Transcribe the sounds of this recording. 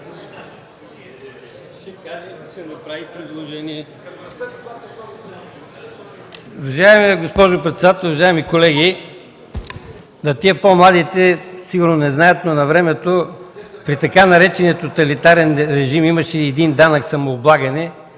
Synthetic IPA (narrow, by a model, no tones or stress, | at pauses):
nɐpɾaipɾid̪lˠoʒɛniɛ | ʊvɐʒaɛmɛɡospɔʒʊpɾɛt̪sɛd̪at̪ɛlˠʊvɐʒaɛmikolɛɡi | nɐt̪iəpomlˠad̪it̪ɛsiɡʊɾnonɛznajət̪nonɐvɾɛmɛt̪opɾit̪ɐkanɐɾɛt͡ʃɛniət̪ot̪ɐlit̪aɾɛnɾɛʒimimɐʃɛːd̪ind̪anəksɐmoːblˠaɡɐnɛ